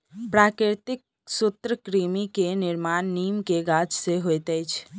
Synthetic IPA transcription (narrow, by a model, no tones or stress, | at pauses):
pɾakɾɪt̪ɪk̚ | sʊt̪ɾəkɾimikenɪɾmanːiːmkeɡad͡ʒseɦojt̪əjt͡ʃʰ